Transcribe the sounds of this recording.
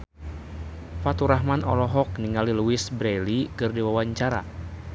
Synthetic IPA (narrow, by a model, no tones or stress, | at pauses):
fat̪uɾaɦmanɔ̰lɔɦɔk̚niŋaliluɪsbɾelikɨrdiwawaɲt͡ʃaɾa̰